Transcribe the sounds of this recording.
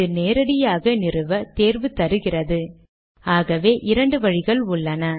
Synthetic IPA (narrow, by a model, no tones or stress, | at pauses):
ɯneːɾɐɽɪjaːɣɐnɪrɯʋɐt̪eːrʋɯt̪ɐɾɯɣɪrɐðɯ | aːɣɐʋeːʔɪɾɐɳɖɯʋɐɻɪɣɐɭʊɭːɐnɐ